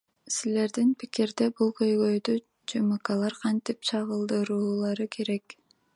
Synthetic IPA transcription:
sile̞ɾd̪inpi̥kiɾd̪ebulˠkʰøjɡø̞jd̪y | d͡ʒɯmɑqɑlˠɑɾqʰɑnt̪ip̚t͡ʃʰɑʁɯlˠd̪ɯɾuːlˠɑɾɯkʰe̞ɾe̞k

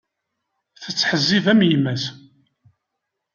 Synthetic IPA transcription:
θət͡sːħəzːivæmjimæs

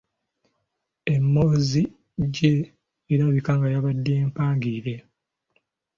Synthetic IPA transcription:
e̞mːoːzi | ɟeː | ɾaβikaŋɡajaβadːeːmpaːŋɡiːɾe

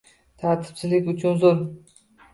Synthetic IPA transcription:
t̪ʰaɾt̪ʰɪ̥pt͡ʃʰɪzlɪkʲʊt͡ʃʰʊnzoɾ

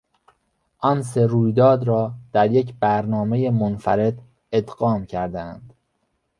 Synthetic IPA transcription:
ʔɒns̬eɾuːjd̪ɒːd̪ɾɒːd̪̥æɾjecʰbæɾnɒːme̞jemonfæ̰ɾe̞d̪ | ed̪ɢɒːmcʰæɾd̪æænd̪̥

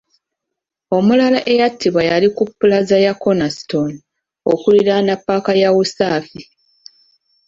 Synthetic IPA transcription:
o̞mulalaʔe̞jatʰːiβajalikupːulazajako̞nasi̥to̞n | okuliɾanapːakajawusaːfi

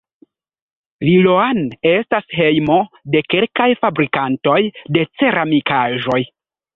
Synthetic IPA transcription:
liloane̞stasɦe̞jmo̞ | de̞ke̞lkajfabɾikanto̞jde̞t͡se̞ɾʔamikaʒo̞j

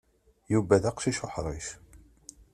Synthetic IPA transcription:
juvæðaqʃiʃʊħɾˤḭʃ

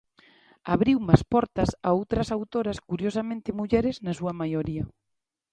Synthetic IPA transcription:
aβɾiwmaspɔɾt̪ɐsa̰owt̪ɾɐsawt̪oɾɐskuɾjosamẽnt̪ɪmuʎɛɾɪznɐsuɐmajoɾiɐ

